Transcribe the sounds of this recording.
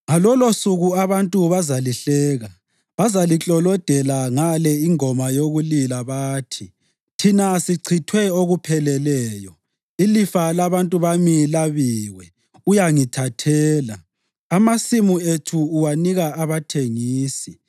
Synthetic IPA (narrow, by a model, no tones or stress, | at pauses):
ŋalɔlosuɣuaβantʼuβazaliɬɛːɣa | βazalit͡ɬʼɔlɔd̥ʱɛlaŋalɛiŋɔmajoɣulilaβaːtʰi | tʰinasiǀʰitʰwɛoɣupʰɛlɛlɛːjɔ | ilifalaβantʼuβamilaβiːwɛ | ujaŋitʰatʰɛːla̰ː | masimuetʰuːwaniɣaaβatʰeŋiːsi